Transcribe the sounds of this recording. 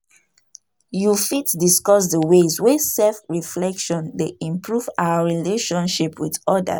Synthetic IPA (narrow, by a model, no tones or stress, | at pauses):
jufitdiskɔs̬dəwezwesɛfɹiflɛkʃɔ̃ndeĩmpʰɹuvaaɹileʃɔ̃nʃipwiðɔda̰